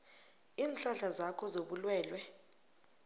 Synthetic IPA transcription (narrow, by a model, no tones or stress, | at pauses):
iːnt͡ɬʼaɬazakʰɔzoɓulwɛːlwɛ